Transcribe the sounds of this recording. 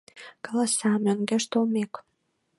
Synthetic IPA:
kɑlɑsɑmĕŋɡeʃt̪olmek

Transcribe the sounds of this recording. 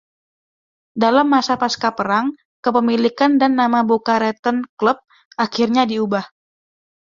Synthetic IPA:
dalamːasapaskapəɾaŋ | kəpəmilikandanːamabokaɾɛt̪ənkləp̚ | ʔakirɲadiubah

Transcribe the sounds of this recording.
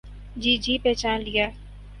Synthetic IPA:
d͡ʒiːd͡ʒiːpɛːt͡ʃaːnlijaː

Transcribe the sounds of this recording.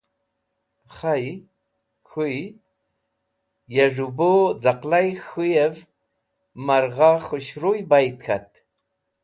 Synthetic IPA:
χaj | xuj | jaʐubod͡zaqlajxujɛv | maɾʁaχɨʃrujbajt̪xʰa̰t̪

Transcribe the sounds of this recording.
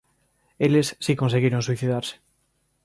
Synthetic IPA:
ele̞sːiko̞nseɣeɾonswiθiðaɾse̥

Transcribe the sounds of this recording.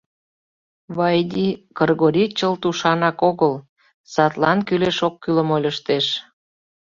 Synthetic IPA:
βɑjd̪ʲikərɣoɾʲit͡ɕəlt̪uʃɑnɑkoɣəl | sɑt̪lɑnkyleʃokːyləmolʲəʃt̪eʃ

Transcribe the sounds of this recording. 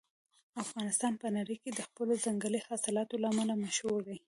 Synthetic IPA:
afɣɑnɪst̪ɑnpənaɽəjked̪əxpəlozaŋɡalihɑsɪlɑt̪olaːmalamaʃhuɾd̪aj

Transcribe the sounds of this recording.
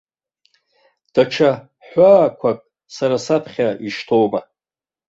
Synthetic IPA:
d̥aʈ͡ʂʰa | ħʷaːkʷʰakʼ | saɾasapʰχʲaiʃtʰowma

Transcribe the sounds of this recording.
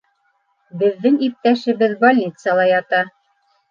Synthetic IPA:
bɘ̆ðːɘŋip̚t̪æʃɘ̆βɘðbolʲnʲit̪səlˠɑjɑt̪ɑ

